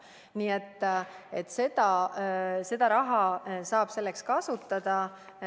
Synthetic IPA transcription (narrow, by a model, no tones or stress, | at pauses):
niːet̪ːˑet̪ːˑse̞d̪̥ɑ | se̞d̪̥ɑɾɑɦɑsɑːb̥se̞lːe̞kskɑsut̪ˑːɑd̪̥ɑ